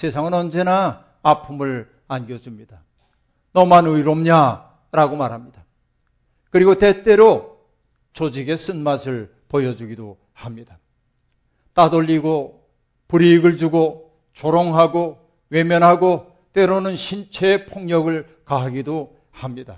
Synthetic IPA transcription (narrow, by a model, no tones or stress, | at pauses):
sʰe̞sʰaŋɯnʌnd͡ʑe̞naː | pʰumɯɭ | anɡjʌd͡ʑumɲid̥a | nʌmanɯiɾomɲa | ɾaɡomaɾɦamɲid̥a | kɯɾiɡote̞t͈e̞ɾo | t͡ɕod͡ʑiɡe̞s͈ɯnmasʰɯɭ | pojʌd͡ʑuɡido | hamɲid̥a | t͈adoʎːiɡo | puɾiːɡɯɭd͡ʑuɡo | t͡ɕoɾoŋɦaɡo | we̞mjʌnɦaɡo | t͈we̞ɾonɯnɕʰint͡ɕʰe̞ːpʰoŋɲʌɡɯɭ | kaɦaɡido | hamɲid̥a̰